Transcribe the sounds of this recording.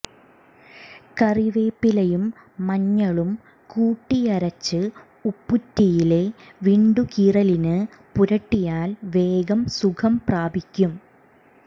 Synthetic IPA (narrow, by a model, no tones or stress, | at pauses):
kɐriʋeːpːilɐjumː | ɐɲːɐɭum | kuːʈːijɐɾɐt͡ɕːɨ | upːutːijile̞ʋiːɳɖukiːrɐlinɨ | puɾɐʈːijaːlʋe̞ːɡɐmsukʰɐmpraːbʱikʲːum